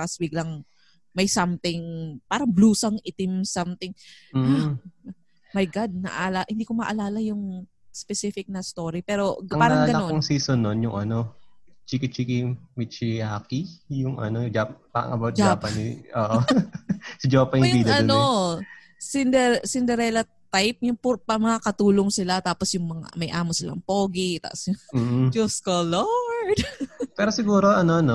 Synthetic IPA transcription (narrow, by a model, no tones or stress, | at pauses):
ɐsbɪɡlɐŋ | mɐjsɐmt̪ɪŋpaːɾɐbluːsɐŋɪt̪ɪmsɐmt̪ɪŋːa | mɐjɡad̪̚nɐ̰ʔalɐʔhɪnd̪iːkomɐʔɐlaːlɐjʊŋ | spɛsifɪk̚nɐst̪oːɾipɛːɾo̞ɐaːɾɐŋaɡɐnɐoŋsiːsonːonjʊŋʔɐnot͡ʃikɪt͡ʃikimɪt͡ʃɪjaːkijʊŋʔɐ̰nod͡ʒappa̰ɐ̰ŋʔɐbawt̪̚d͡ʒaːpɐniʔoːʔo | sɪd͡ʒaːpɐnɪʊbiːd̪ɐɐno | sɪnd̪ɛsɪnd̪ɛɾɛlɐt̪ːajp̚jʊŋpʊpɐmɐŋakɐt̪uːloŋsɪlat̪aːposjʊŋmɐŋa̰mɐjʔaːmosɪlɐ̰ŋpoːɡɪt̪a̰ʔsjʊːd͡ʒoskolod̪pɛːɾosɪɡuːɾoʔɐnono